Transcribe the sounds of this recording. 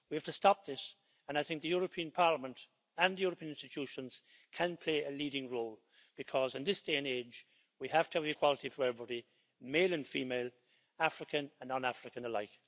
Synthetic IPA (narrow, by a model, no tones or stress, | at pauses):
wihæftəstɑp̚ðɪs | ə̃naɪθɪ̃ŋk̚ðɨjʊɹəpʰĩə̃npʰɑɹləmə̃nt | ə̃nðɨjʊɹəpʰĩə̃nɪ̃nstɨtʰjuʃə̃nz̥ | kʰə̃npʰl̥eɪʔɨliɾɪ̃ŋɹoːlˠ | b̥ɨkʰɔzɨ̃nðɪsd̥eɪɨ̃neɪd͡ʒ | wihæftəəvɨkʰw̥ɔlˠəɾivɛɹbəɾi | meɪlˠə̃nfimeɪlˠ | afɹɨkə̃nə̃nːə̃nafɹɨkə̃nəlaɪk